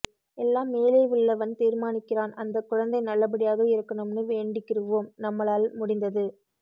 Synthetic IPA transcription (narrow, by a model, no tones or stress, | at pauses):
ɛlːaːmːeːlɐɪʋɪɭːɐʋɐnt̪iːɾmaːnɪkːɪɾaːnɐnd̪ɐkːʊɻɐnd̪ɐɪnɐlːɐp̬ɐɽɪjaːɣɐɪɾɯkːɐɳɯmnɯʋeːɳɖɪkːɪrɯʋoːmnɐmːɐlaːlmʊɽɪnd̪ɐðɯ